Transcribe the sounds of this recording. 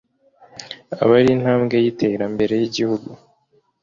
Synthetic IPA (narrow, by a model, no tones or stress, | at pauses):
a̰βaɾin̥haːmɡe̞jite̞ːɾambe̞ɾe̞jiɟihuɡu